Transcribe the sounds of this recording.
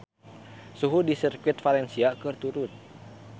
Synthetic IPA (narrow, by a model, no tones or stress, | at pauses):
suɦudisirkit̪̚faɾɛnsiakɨrt̪uɾut̪̚